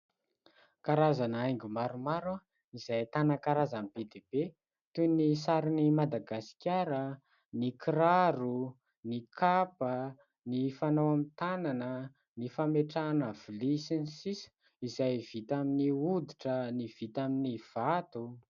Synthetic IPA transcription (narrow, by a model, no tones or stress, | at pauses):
kaɾazanəajŋɡumaɾumaɾa | izajt̪anakaɾazanb̥ed̪eb̥e | t̪unisaɾinimad̪aɡasi̥kʲaɾə | nikiɾaɾu | nikʰapə | nifanawamit̪ananə | nifameʈ͡ʂaːnəv̥ilisinisisə̥ | izajv̥it̪aminiud̪iʈ͡ʂəniv̥it̪aminiv̥at̪u